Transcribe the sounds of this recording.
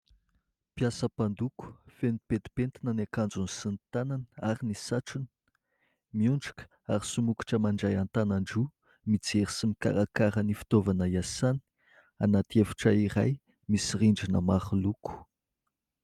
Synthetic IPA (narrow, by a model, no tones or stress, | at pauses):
pjasəpand̪uku̥fenipet̪i̥pent̪inənakand͡zunisint̪ananəaɾinisaʈ͡ʂunə̥ | miuɳɖ͡ʐakə̥ | aɾisumuki̥ʈ͡ʂəmaɳɖ͡ʐajant̪anaɳɖ͡ʐu | mit͡seɾisimika̰ɾakaɾənifi̥t̪ovanəjasani̥ | anat̪iefu̥ʈ͡ʂəiɾa̰j | misiriɳɖ͡ʐinəmaχuluku̥